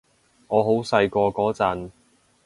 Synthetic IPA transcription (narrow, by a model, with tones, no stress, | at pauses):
ŋɔː˨˧ɦo˨˥wsɐ˧jkɔː˧kɔː˨˥t͡sɐ˨˧n